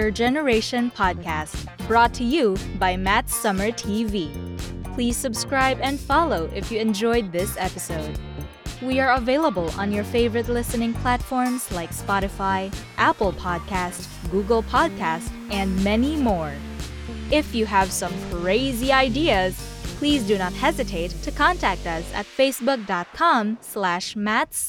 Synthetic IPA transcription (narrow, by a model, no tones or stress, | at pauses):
ə˞d͡ʒɛnə˞eɪʃɨ̃npʰɑd̚kʰæst | b̥ɹɔtʰɨjubaɪmætsʌmə˞tʰivipʰl̥iz̥sɨbskɹaɪbɨ̃ndfɑlˠoʊʔɪfjɨɨ̃nd͡ʒɔɪd̪̚ðɪsɛpɨsoʊd̚ | wiə˞əveɪlˠəbəl̩ˠə̰̃njə˞feɪvə˞ɨtˡlɪsɨnɪ̃ŋpʰl̥ætfɔɹmz̥laɪkspɑɾɨfaɪʔæpl̩ˠpʰɑd̚kʰæst | ɡ̥uɡl̩ˠpʰɑd̚kʰæstɨ̃nmɛnimɔɹ | ɪfjɨəv̥sʌ̃mkʰɹ̥eɪziaɪdiɨz̥pʰl̥izdɨñət̚hɛzɨtʰeɪtʰːɨkʰɑ̃ntʰæk̚tʌsɨ̰tfeɪsbʊk̚d̥ɑt̚kʰɑ̃mslæʃmæts